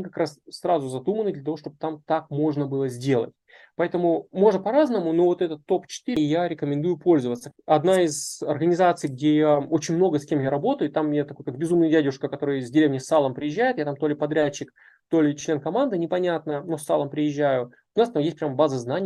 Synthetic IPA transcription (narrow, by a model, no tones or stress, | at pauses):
ɐnʲikɐkɾassrazʊzɐd̪umənɨd̪lʲət̪ɐvo̞ʂt̪o̞b̚ɨt̪amt̪ak̚mo̞ʐnəbɨlˠəzʲdʲe̞lˠə̰tʲ | pɐɛt̪əmʊmo̞ʐnəpɐɾaznəmʊno̞vo̞t̪ɛt̪ət̪ːo̞pt͡ɕɪ̥t̪ɨɾʲɪjaɾʲɪkəmʲɪnd̪ujʊpo̞lʲzəvət̪sːə̥ɐd̪naizɐrɡənʲɪzat̪sɨjɡ̚dʲe̞jao̞t͡ɕɪnʲmno̞ɡəsʲkʲe̞mjaɾɐbo̞t̪əjʊt̪amjat̪ɐkojkakbʲɪzumnɨjədʲædʲʊʂkəkɐt̪o̞ɾɨjəzʲdʲɪɾʲevnʲjəsalˠəmpɾʲɪjɪʑːæjɪt̪jat̪amt̪o̞lʲɪpɐd̪ɾʲæt͡ɕːɪk | t̪o̞lʲɪt͡ɕlʲe̞nkɐmand̪ɨnʲɪpɐnʲat̪nənosalˠəmpɾʲɪjɪʑːæjʊ | ʊnast̪amjesʲt̚ʲpɾʲambazəznanʲɪj